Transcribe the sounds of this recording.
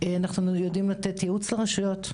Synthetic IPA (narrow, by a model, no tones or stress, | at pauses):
anaχnujodimlat̪et̪jeut͡sleʁaʃujo̞t